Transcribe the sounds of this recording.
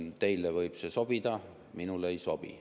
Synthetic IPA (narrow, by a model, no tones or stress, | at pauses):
t̪e̞jlevɤjb̥se̞so̞b̥id̪̥ɑ | minulejso̞b̥ḭ